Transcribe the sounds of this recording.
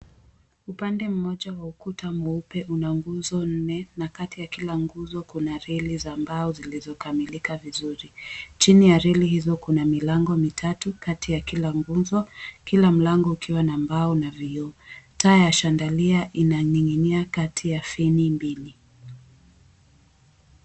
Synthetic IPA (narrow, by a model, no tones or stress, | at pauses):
upandɛm̩mɔʄawaukutamɔupɛʔunaŋɡuzɔn̩nɛnakatijakilaŋɡuzɔkunaɾɛlizambaɔzilizɔkamilikavizuɾit͡ʃinijaɾɛlihizɔkunamilaŋɡɔmitʰatukatijakilaŋɡuzɔkilam̩laŋɡɔukiwanambaɔnaviɔtaːjaʃandaliaʔinaɲiŋiniakatʰijafinimbili